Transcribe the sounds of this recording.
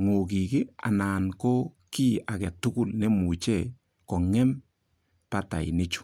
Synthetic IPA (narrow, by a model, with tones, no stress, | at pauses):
ŋo˨k̬i˨kɪ˦a̰˨na˨nko˦ | ki˦a˨kɛ˨tʊ˦kʊ˦˨lne˦mu˨t͡ʃɛ˦˨ | kɔ˨ŋɛ˦m | pa˦ta̰˨ḭ˨ne˦t͡ʃu̥˦